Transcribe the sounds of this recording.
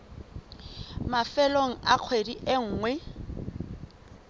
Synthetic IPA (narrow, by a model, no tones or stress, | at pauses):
mafɛloŋ̩ʔak͡xʰwediʔeŋ̩ːŋwɛ